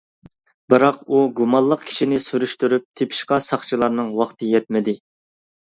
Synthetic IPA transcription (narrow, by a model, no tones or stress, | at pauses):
bɨɾɑquɡumɑllˠːəqkʲʰi̥ʃinɪsyɾyʃt̪yɾyp̚t̪ʰepʰi̥ʃqɑsɑχt͡ʃʰilˠɑɾnɨŋwɑχt̪ʰɨjɛt̪̚mɪd̪ɪ